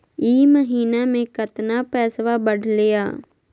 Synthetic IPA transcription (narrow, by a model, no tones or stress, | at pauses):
iːməɦiːnamẽkət̪napɛːsʋabəɽʱlɪjaː